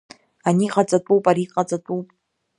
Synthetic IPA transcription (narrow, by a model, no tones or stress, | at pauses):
aniːqat͡sʼatʼuːpʼaɾiːqʼat͡sʼatʼuːpʼ